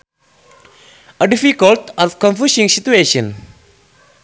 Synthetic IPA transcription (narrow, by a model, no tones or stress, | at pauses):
əɖifikəltɔfkɔ̃nfjusĩŋsit̪ueʃə̃n